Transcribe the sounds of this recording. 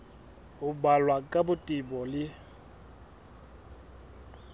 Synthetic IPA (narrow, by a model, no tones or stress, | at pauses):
ʊbalwakʼabʊtʼibɔlɪ